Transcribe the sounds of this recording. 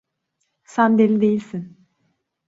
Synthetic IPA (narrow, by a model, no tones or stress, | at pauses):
sænd̪elʲid̪e̞jilʲsin